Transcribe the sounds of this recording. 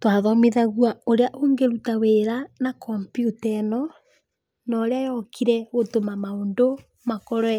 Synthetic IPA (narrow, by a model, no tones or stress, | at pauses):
twaðɔmeðaɣwaoɾeaʔoŋɡeɾutaweɾanakʰɔmpjutɛnɔ | nɔɾeajɔkʰiɾɛɣotomamaoːndo | makɔɾɔɛ